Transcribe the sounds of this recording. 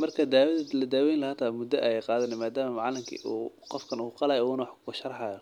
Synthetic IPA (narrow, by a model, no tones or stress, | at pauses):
mɐrkʰɐd̪aːwɐðɐlɐd̪aːwɛjnlɐhaːt̪ʰamʊd̪ɐʔɛjɛjqɑːðɐnɛmaːd̪aːmɐmʕɑlɪmkʰḭːʔṵːqɔfkʰɐnuːqɑlaːjɔuːnɐwħkʰʊɐʃɐrˤħɑːjɔ